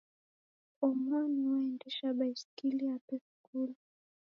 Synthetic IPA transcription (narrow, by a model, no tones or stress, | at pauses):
ɔmɔniwaɛndɛʃaɓaiskiliapɛfkulɔ